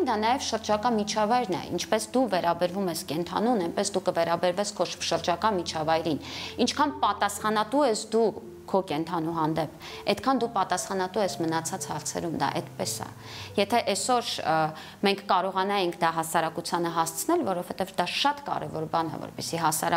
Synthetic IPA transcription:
nd̪ɑnɑjɛvʃəɾd͡ʒɑkɑmit͡ʃʰɑvɑjɾnɛ̰ḭnt͡ʃʰpɛsd̪uvɛɾɑbɛɾvumɛskɛnt̪ʰɑ̰nunɛnpɛsd̪ukəvɛɾɑbɛɾvɛskʰɔʃʃəɾd͡ʒɑkɑmit͡ʃʰɑvɑjɾinint͡ʃʰkʰɑnpɑt̪ɑsχɑnɑt̪uɛsd̪u | kʰɔkɛnt̪ʰɑnuɦɑnd̪ɛpʰ | ɛt̪kʰɑnd̪upɑt̪ɑsχɑnɑt̪uɛsmənɑt͡sʰɑt͡shɑɾt͡sʰɛ̰ɾumd̪ɑ̰ʔɛ̰d̪pɛsɑ̰ | jɛt̪ʰɛʔɛsɔɾ | mɛŋkʰkɑɾɔʁɑnɑjɛŋkʰd̪ɑɦɑsɑɾɑkut͡sʰjɑnəɦɑst͡sʰənɛlvɔɾɔv̥hɛt̪ɛvd̪ɑʃɑt̪kɑ̰ɾɛ̰vɔɾbɑnɑ̰vɔ̰ɾpɛsiɦɑsɑɾ

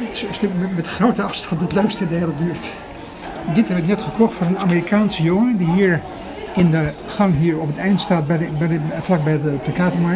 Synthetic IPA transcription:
tɪ̥sɪsmɛtχrowtəɑfstɑntətløɥkstəndɦeɪləbyːɹt | dɪtɦɛbəɪknɛtχəkɔχtfʊnənaːmiːrikaːnsəjʊŋədiɦiːɹ | ɪndəχɑŋɦiːɹɔpətɛjntstaːt̚bɛbɛflɑk̚bɛjdəpakaːtəmɑ

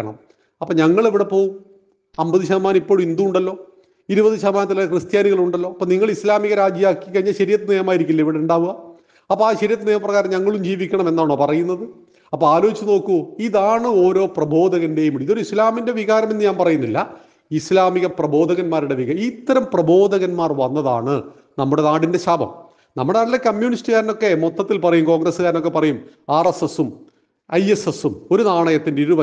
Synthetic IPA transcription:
ɐɳɐ̰m | ɐpːoːɲɐŋːɐɭiʋiɽe̞po̞ːwum | ɐmbɐðɨɕɐðɐmaːnipːoːɻumind̪uuɳɖɐlːo̞ː | iɾubɐðɨɕɐðɐmaːnɐt̪ːilaːjɐkrɨst̪jaːniɣɐɭuɳɖɐlːo̞ːɐpːoːniŋːɐɭislaːmiɣɐɾaːd͡ʑjjaːkːikːɐiɲːɐɕɐɾijɐt̪ːɨneːjɐmaːjiɾikʲːulːɐiʋiɽeuɳɖaːʋuɣɐ | ɐpːoːaːɕɐɾijɐt̪ːenejɐmɐprɐɣaːɾɐmɲɐŋːɐɭumd͡ʑiːʋikʲːɐɳɐme̞nːaːɳoːpɐrɐjunːɐðɨ | ɐpːoːaːlo̞ːit͡ɕːuno̞ːkːuiðaːɳɨo̞ːɾo̞ːprɐbo̞ːd̪ʱɐɣɐnde̞jumiðo̞ɾuislaːminde̞ʋiɣaːɾɐme̞nːɨɲaːnpɐrɐjunːilːɐ | islaːmiɣɐprɐbo̞ːd̪ʱɐɣɐnmaːɾuɽe̞ʋiɣɐit̪ːɐɾɐmprɐbo̞ːd̪ʱɐɣɐnmaːrʋɐnːɐða̰ːɳɨ | nɐmːuɽe̞naːɽinde̞ɕaːbʱɐ̰m | nɐmːuɽenaːɖilːɐkɐmjuːnistɨɣaːɾino̞kːe̞mot̪ːɐt̪ːilpɐrɐjumko̞ːŋɡrɐsːɨɣaːɾno̞k̬ːe̞pːɐrɐjumaːresesum | ɐjesesumo̞ɾunaːɳɐjɐt̪ːindeiɾuʋɐ

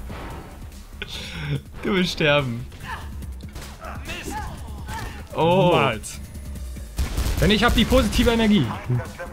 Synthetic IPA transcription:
d̥uːvɪlstʃtɛɐbm̩ | ʔoat | v̥ɛnɪçhaːbəd̥iːpʰoːzitʰiːvəɛnɛɐɡiː

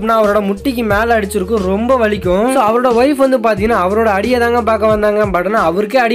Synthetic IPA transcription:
pnːaːɐʋɐɾoːɽɐmʊʈːɪkːɯmeːlɐɽɯt͡ʃːɯɾɯkːɯ̃ɾɔmbɐʋɐɭɪkʲːʊ̃soːɐʋɐɾoːɽɐʋɐjfʋɐnd̪ɯpaːɾt̪ɪŋɡɪnaːɐʋɐɾoːɽɐɐɽɪjɐðaːŋɡɐpaːɾkɐʋɐnd̪aːŋɡɐnpɐːʈːɐnaːɐʋɐɾɯkːeːɐɽɪ

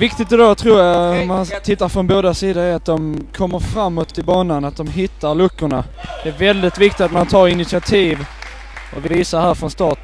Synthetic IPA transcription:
vɪkt̪ɪt̪ɛd̪ot̪ʰɾuːɾjaɔmant̪ʰɪt̪ːaɾfɾɔnboːd̪asiːd̪aæɾat̪̚d̪ɔmkʰɔmːəɾfɾamːɔt̪ʰːɪlbɑːnanat̪̚d̪ɔmɦɪt̪ːaɾlɵkːʊɳa | d̪̥ɛæɾvɛld̪ɪt̪vɪkt̪ɪt̪at̪mant̪ʰɑːɾɪnɪt̪sɪat̪ʰiːv | ʔɔvɪviːsahæːɾfɾɔnst̪ɑːt̪

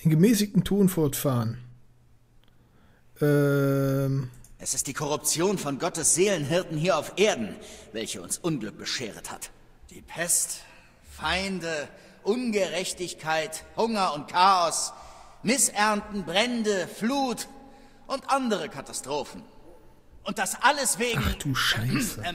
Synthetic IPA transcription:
dɪːnɡəmɛːs̬ɪçtn̩tʰuːnfɔɐtfaːʁən | ʔɛ | ʔɛsɪstd̥iːkʰɔʁ̞ʊpt͡sjoːnfɔnɡɔtəsz̥eːlənɦɪɐtn̩ɦiːɐaʊfʔeːɐdn̩vɛlçəʊ̰nsʔʊnɡlʏk̚b̥əʃeːʁ̞ətha̰t | d̥ḭːpʰɛst | faɪndə | ʔʊnɡəʁɛçtɪçkʰaɪthʊŋɐʊnt̚kʰaːɔs | mɪsʔɛɐntn̩bʁɛndəfluːt | ʔʊntʔandəʁ̞əkʰatastʁ̥oːfn̩ | ʔʊnt̚d̥asʔaləsv̥eːɡad̥uːʃaɪs

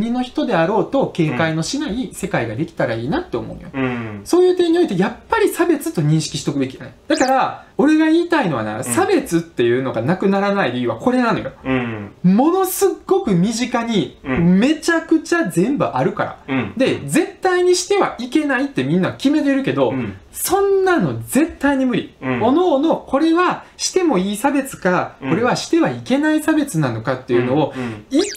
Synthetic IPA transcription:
ɲ̟ino̞çi̥t̪o̞d̪e̞aɾo̞ːt̪o̞ke̞ːkaino̞ɕinaise̞kaiɡad̪e̞kʲi̥t̪aɾaiːnat̪ːeomo̞̰ɯ̰no̰joso̞ːjɯ̟ːt̪eɲ̟io̞it̪ejapːaɾʲisabe̞t͡sɨ̥t̪ːo̞ɲ̟ĩɰ̃ɕi̥kʲi̥ɕi̥t̪o̞kɯ̟be̞kʲijanad̪̥akaɾao̞ɾe̞ɡaiːt̪aino̞βa̰na̰ɯsabe̞t͡sɨt̪ːe̞jɯ̟ːno̞ɡanakɯ̟naɾanaiɾiːβa̰ko̞ɾe̞nãno̞jo̞ | mo̞no̞sɨɡːo̞kɯ̟mʲiʑikaɲ̟ime̞t͡ɕakɯ̟t͡ɕazẽ̞mbɯ̟ʔaɾɯ̟ka̰ɾa̰d̪e̞zẽ̞t̪ːaiɲ̟iɕi̥t̪e̞βaʔike̞nait̪ːe̞mʲĩnːakʲime̞t̪̬e̞ɾɯ̟ke̞d̪o̞ | sõ̞nːãno̞ze̞t̪ːaiɲ̟imɯ̟ɾʲḭo̞noːno̞ko̞ɾe̞βaɕi̥t̪e̞mo̞iːsabe̞t͡sɨ̥kako̞ɾe̞βaɕi̥t̪e̞βaike̞naisabe̞t͡sɨnano̞kat̪ːe̞jɯ̟no̞ːi

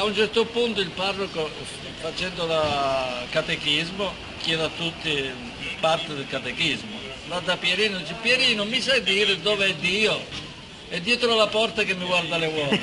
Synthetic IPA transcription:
aunt͡ʃɛɾt̪opunt̪oilparːoko | fat͡ʃɛnd̪olakat̪ekizmo | kjɛːd̪at̪ːut̪ːi | part̪ɪd̪elkat̪ekizmo | lad̪ːapːjɛɾiːnod̪iːt͡ʃepjɛɾiːnomisajd̪iːɾɪd̪ɔːveɛd̪ːiːo | ɛd̪ːjɛːt̪ɾoalapɔrt̪akemːɪɡward̪alewɔː

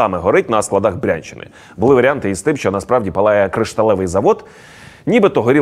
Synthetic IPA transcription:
ɑmɛɦɔɾɪt̚ʲnɐsklˠɐd̪ɑɣbɾʲa̰nʲt͡ʃɪnɪ̰ | bʊlˠɪʋɐɾʲɪant̪ɪist̪ɪmʃt͡ʃɔnɐspɾɑwdʲipɐlˠɑjɛkɾɪʃt̪ɐlˠɛʋɪjzɐʋɔd̪ | nʲibɪt̪ɔɦɔɾʲi

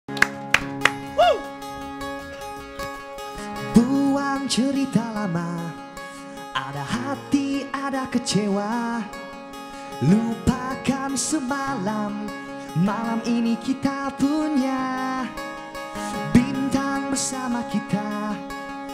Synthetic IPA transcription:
t̪uaŋt͡ʃəɾit̪alama | ʔa̰dahat̪iadakəd͡ʒewa | lupakansəmalamː | alaminikit̪apuɲa | bint̪aŋbərsamakit̪a

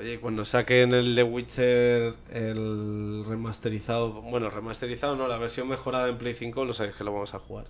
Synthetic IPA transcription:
ojekwand̪o̞sake̞neld̪e̞ɣwit͡ʃeɾ | elre̞mast̪e̞ɾiθaobwe̞no̞re̞mast̪e̞ɾiθaono̞laβ̞e̞ɾsjo̞ŋme̞xo̞ɾaðaempleθiŋko̞lo̞saβeske̞loβamo̞saxuɣa̰ɾ

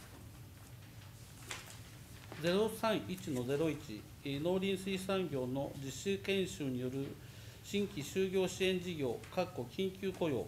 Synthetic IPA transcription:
d͡ze̞ɾo̞sãɰ̃it͡ɕino̞ze̞ɾo̞it͡ɕi | no̞ːɾʲĩɰ̃sɨisãŋɡʲo̞ːno̞d͡ʑiɕɨkẽ̞ɰ̃ɕɨːɲ̟ijo̞ɾɯ̟ | ɕĩŋkʲiɕɨːɡʲo̞ːɕiẽ̞ɲd͡ʑiɡʲo̞ːkakːo̞kʲʰĩŋkʲɨːko̞jo̞̰ː

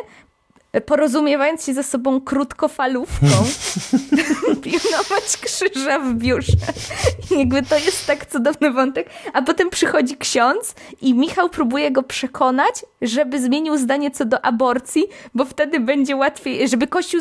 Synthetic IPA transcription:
pɔɾɔzumʲjɛvajɔnt̪sɕɛzasɔbɔ̃w̃kɾut̪kɔfalufkɔ̃w̃w̃ | pʲinɔvat͡ɕkʂɘʐavbʲjuʂɛjaɡbɘt̪ɔjɛst̪ːakt̪sud̪ɔvnɘvɔnt̪ɛkapɔt̪ɛmpʂɘxɔd͡ʑikɕɔnt̪simʲixawpɾubujɛɡɔpʂɛkʰɔnat͡ɕʐɛbɘzmʲjeɲiwzd̪aɲɛt̪sɔd̪ɔʔabɔɾt̪sʲjibɔft̪ɛd̪ɘbɛɲd͡ʑɛwat̪fʲjejʐɛbɘkɔɕt͡ɕu

